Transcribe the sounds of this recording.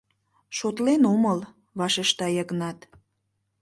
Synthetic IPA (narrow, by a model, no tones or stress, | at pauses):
ʃot̪lenoməl | βɑʃeʃt̪ɑjəɣnɑt̪